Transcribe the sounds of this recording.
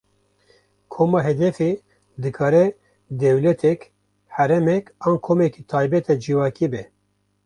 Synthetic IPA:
kʰoːmɑːɦɛd̪ɛfe | d̪ɨkʰɑːɾɛ | d̪ɛwlɛt̪ʰɛk | hæɾɛmɛkɑːnkʰoːmɛkit̪ʰɑːjbɛt̪ɛd͡ʒiwɑːkibɛ

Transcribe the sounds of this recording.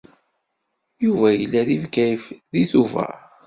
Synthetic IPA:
juvæjəlːæðivkæjfðiθuvæ̰

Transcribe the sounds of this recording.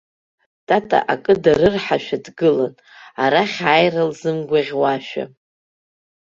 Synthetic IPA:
tʼatʼa̰ʔakʼɨdaɾɨrħaʃᶣadɡɨlan | aɾaχʲajralzɨmɡʷaʁʲwaʃᶣa̰

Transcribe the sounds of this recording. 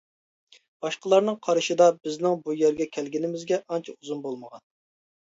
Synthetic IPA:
b̥ɑʃqəlˠɑɾnɨŋqʰɑɾɨʃɨd̪ɑbɪznɪŋbujæɾɡʲɛkʲʰɛlɡʲinɪmɪzɡʲɛʔɑnt͡ʃʰɛuzunbolˠməʁɑn

